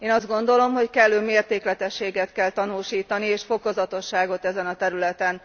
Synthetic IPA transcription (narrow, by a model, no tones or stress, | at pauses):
eːnɒzd̪ɡo̞nd̪o̞lo̞mɦo̞ckɛlːøːmeːrt̪eːklɛt̪ɛʃːeːɡɛt̪kɛlt̪ɒnuːʃiːt̪ɒnieːʃfo̞ko̞zɒt̪o̞ʃːaːɡo̞t̪ɛzɛnɒt̪ɛɾylɛt̪ɛn